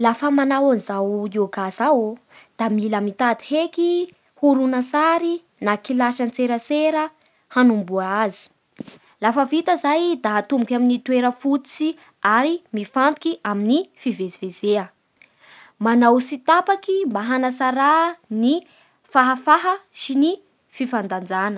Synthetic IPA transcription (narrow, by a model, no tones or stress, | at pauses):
lafəmanawanizawoɡasaw | d̪̥amiləmit̪ad̪iheki | huɾunasaɾi | nakilaʃant͡seɾəseɾə | hanumbuaazi̥ | lafəvit̪əzajd̪aat̪umbukʲaminit̪ueɾəfut͡si | aɾimifand̪ukiʔaminifivezivezeə | manawsit̪apakimbaɦanəsaɾani | faɦəfaɦəʃini | fifand̪and͡zanə